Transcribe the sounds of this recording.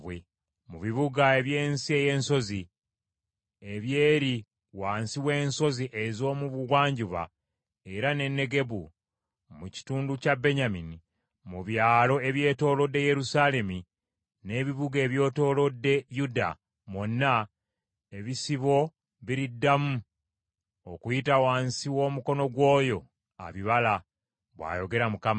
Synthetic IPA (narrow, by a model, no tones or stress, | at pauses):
βwe | muβiβuɡae̞βje̞ːnsie̞je̞ːnso̞zi | eβje̞ːɾi | waːnsiwe̞ːnso̞ziʔezo̞ːmuβuɡwaːɲɟuβa̰ | e̞ɾane̞nːe̞ɡe̞βu | muci̥tuːnducabe̞ɲamini | muβjaːlo̞e̞βje̞ːto̞ːlo̞dːe̞je̞ɾusale̞mi | ne̞ːβiβuɡe̞ːβjo̞ːto̞ːlo̞dːe̞juda̰ | mwo̞nːa | e̞βisiβo̞ | βiɾidːamu | okujitawaːnsiwo̞ːmuko̞no̞ɡwo̞ːjo̞ | a̰βiβala | βwa̰ːjo̞ɡe̞ɾamukama